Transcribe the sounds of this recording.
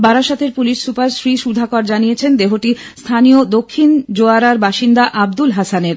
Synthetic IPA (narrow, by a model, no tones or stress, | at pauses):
baɾaʃat̪ʰeɾpuliʃsupaɾsɾiʃud̪ʱakaɾd͡ʑanijet͡ɕʰend̪eɦoʈi | st̪ʰanijod̪okʰːind͡ʑoaɾaɾbaʃind̪aʔab̚d̪ulɦasaneɾ